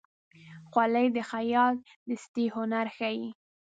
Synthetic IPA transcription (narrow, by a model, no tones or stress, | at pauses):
xwaləjd̪əxajɑl̚ | d̪əst̪ihʊnaɾxaji